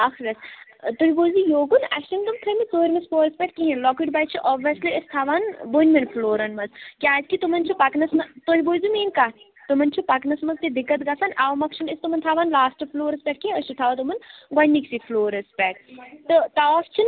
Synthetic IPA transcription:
ɐxɾʲɐst̪uiboːjzijoːɡunɐ̰ʃtint̪umt̪ʰɐmit͡soːɾʲmɐspoːɾɐspʲɛʈkiɦinlɔkuʈbɐjt͡ʃʰiʔoːbʋiɐsliəst̪ʰaːʋaːnbonʲmɐnpʰloːɾɐnmɐzkʲaːd͡ʒkit̪umɐnt͡ʃʰipɐknɐsmɐt̪oɦiboːzumeːnka | t̪umɐnt͡ʃʰipɐknɐsmɐzt̪id̪ikːɐt̪ɡɐsanʔaːʋmɐkʃʰinist̪umɐnt̪ʰaːʋaːnlaːsʈɨfloːɾɐspʲɛʈ̚kiəʃit̪ʰaːʋɐt̪umɐnɡwɐnʲːiksifloːɾɐspʲɛːʈ̚t̪ɨt̪aːst͡ʃʰin

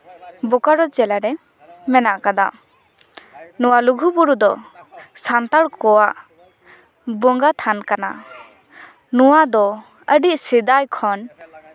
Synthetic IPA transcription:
bɔkaɾɔt͡ʃɛlaɾɛ | mɛnaʔkad̪a̰ | nɔwaluɡʱubuɾud̪ɔsant̪aɽkɔwaʔ | bɔŋɡat̪ʰankana̰ | nɔwad̪ɔ | əɖiʔ̚sid̪ajkʰɔn

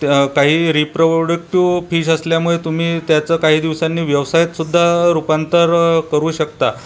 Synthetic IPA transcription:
kaɦiːɾipɾoɖək̚ʈiʋfiːɕəsljamuɭet̪um̤iːt̪jat͡səːkaɦiːd̪iʋsanːiːʋjəʋsajət̪sud̪ʱːaɾupant̪əɾkəɾuːɕəkt̪a

